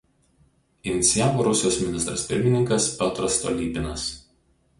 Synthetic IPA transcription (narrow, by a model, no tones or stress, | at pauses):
ɪnʲɪt̪sʲɪjaːʋoːɾʊsʲɪjoːsmʲɪnʲɪst̪ɾɐ̰spʲɪ̰ɾʲmʲɪnʲɪŋkɐspʲɛt̪ɾɐst̪ɔ̰lʲiːpʲɪnɐs